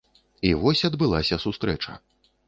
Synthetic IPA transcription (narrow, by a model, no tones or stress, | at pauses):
ivɔsʲɐd̪bɨlˠasʲɐsust̪ɾɛt͡ʂɐ̰